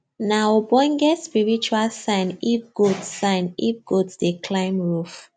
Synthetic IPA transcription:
nawobɔ̃nɡɛtspiɹit͡ʃualsãɪ̃nifɡodːãɪ̃nifɡodsdekʰlãɪ̃mɹuf

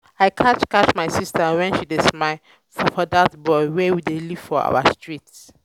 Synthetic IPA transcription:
aɪkʰatkatmaɪsistəwɛ̃nʃidɪsmaɪ | fɔfɔdatbɔɪwɛwideliv̥fɔa̰wastʰɹits

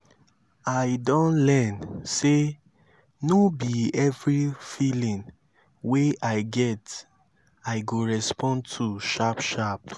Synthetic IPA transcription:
aɪdɔ̃nlɛnse | nobiɛvɹifilĩn | weʔaɪɡɛt | aɪɡoɹɛspʰɔ̃ntʰuʃapʃap

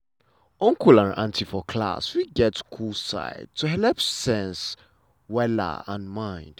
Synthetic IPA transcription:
ɔ̃ŋkʰulãnã̰ntʰifɔkʰla̰swiɡɛtskʰulsa̰ɪd̚tʰuɦɛlɛpsɛ̃ns | wɛlə̰ə̃nmãɪ̃nd̥

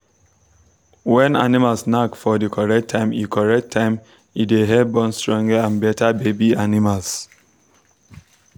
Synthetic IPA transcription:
wɛ̃na̰nimalsnakfɔdikʰɔɹɛk̚tʰãɪ̃mikʰɔɹɛk̚tʰːãɪ̃m | ideɦɛbɔ̃nstɹɔ̃ŋɡəãnbɛtʰabebianimals

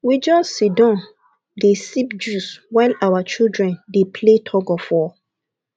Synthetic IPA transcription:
wid͡ʒɔssidɔ̃n | desipd͡ʒuswaɪlawat͡ʃildɹɛ̃ndepʰletʰɔɡɔfɔ

